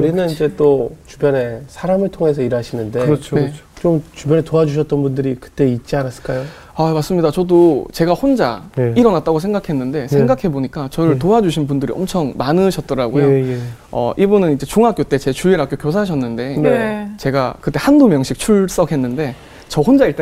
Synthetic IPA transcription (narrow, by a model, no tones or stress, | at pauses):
kuɾinɯnid͡ʑe̞t͈ot͡ɕubjʌne̞sʰaɾamɯɭtʰoŋe̞sʰʌiɾaɕʰinɯndet͡ɕʰonet͡ɕʰ | t͡ɕomt͡ɕubjʌne̞toad͡ʑuɕ̬ʰʌt̚t͈ʌnbundɯɾikɯ̥t͈e̞it̚t͡ɕ͈ianas͈ɯ̥ɭk͈ajo | amas͈ɯmɲidat͡ɕʌdot͡ɕe̞ɡahond͡ʑa̰neiɾʌnat̚t͈aɡos̬ʰe̞ŋɡakʰe̞nːɯnde̞sʰe̞ŋɡakʰeboɲik͈at͡ɕʌɾɯɭtoad͡ʑuɕʰinbundɯɾḭʌ̰mt͡ɕʰʌŋmanɯɕʰʌt̚t͈ʌɾaɡojoʌ̰ʔibunɯnid͡ʑe̞t͡ɕoŋɦak͈jot͈e̞t͡ɕe̞t͡ɕuiɾak͈jokjosʰaɕ̬ʰʌnːɯnde̞net͡ɕe̞ɡa̰kɯt͈e̞handomjʌŋɕʰik̚t͡ɕʰuɭs͈ʌkʰe̞nːɯnde̞ | t͡ɕʌhond͡ʑaiɭt͈e